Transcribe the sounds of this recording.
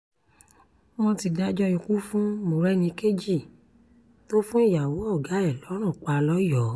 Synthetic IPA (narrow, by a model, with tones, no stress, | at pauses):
mɔ̃˧ti˧da˦d͡ʒɔ˦ĩ˧ku˦fũ˦mo˨ɾɛ˦nĩ˧ke˦d͡ʒi˦˨ | to˦fũ˦i˦˨ja˨wo˨˦ɔ˦˨ɡa˨˦ɛ˦˨lɔ˨˦ɾ̃ɔ̃˦˨k͡pa˧lɔ˦jɔ˨˦